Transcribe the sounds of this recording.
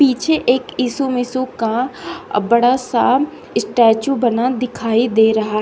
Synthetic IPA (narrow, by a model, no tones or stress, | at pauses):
piːt͡ʃʰeʔeːkiːsumɪsuka | bɐɽasa | ɪsʈɛːt͡ʃubɐnad̪ɪkʰaːid̪eːɾɐɦaɦ